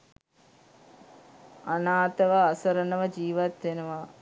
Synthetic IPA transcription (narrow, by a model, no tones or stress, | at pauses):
anaːt̪əʋəasəɾənəʋəd͡ʒiːʋat̪ʋenəʋa